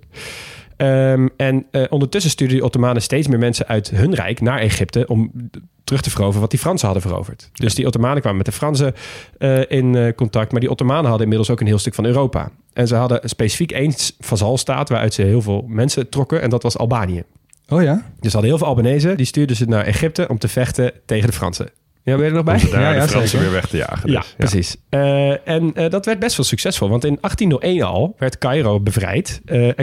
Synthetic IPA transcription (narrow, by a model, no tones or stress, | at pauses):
əɛnʔɔndəɹtʏs̬əstyːɹdədəʔotomaːnəstejtsmɪːɹmɛnsəʔœɥtɦɵnrɛ̰jknaːɹeχɪp̚təʔɔmtərɵχtəvərowvərəʋɑt̚difrɑnsəɦɑdəvəro̰wvəɹtd̥øsdiʔotomaːnəkʋaːməmɛtdəfrɑns̬əəʔɪnkɔntɑk̚tmaːɹdiʔotomaːnəɦɑdəɪnmɪdlˠsowkənɦɪːlˠstɵkfɑnøːrowpa̰ː | ʔɛnzəɦɑdəspejsi̥fikejnsfazɑlˠsta̰ːtʋaːɹʔœ̰ɥtsəɦɪːlˠvɪːlˠmɛnsətrɔkəʔɛ̰ndɑtʋɑsɑ̰lˠbaːnijə̰ | ojad̥əsəɦɑdəɪːlˠɪlˠɑlbanejzədistyːɹdəzənaːɹʔḛχɪp̚təʔɔmtəv̥ɛχtətejχəndəfrɑ̰nsə̰ | jaʋɛjdənɔbɛjdaːəfrɑnsəʋɪːɹʋɛχtəja̰ːχəja̰prəs̬isəɛnədɑtʋɛɹt̚bɛstʋɪːlˠsyksɛsfɔlˠʋɑntɪnɑχtinːəlˠʔejnɑ̰lˠʋɛɹtkɑjrowbəvrɛ̰jtə